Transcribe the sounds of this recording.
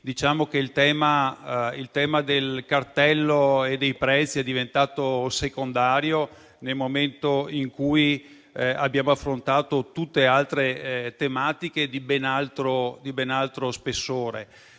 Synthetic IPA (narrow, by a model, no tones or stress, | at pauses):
d̪it͡ʃaːmokeilt̪ɛːmailt̪ɛːmad̪elkart̪ɛlːoed̪ejpɾɛt̪sːiɛd̪ːivent̪aːt̪osekond̪aːɾjo | nelmoment̪oiŋkuj | a̰bːjaːmoafːɾont̪aːt̪ot̪ut̪ːealt̪ɾet̪emaːt̪iked̪ibenalt̪ɾod̪ibenalt̪ɾospesːoːɾe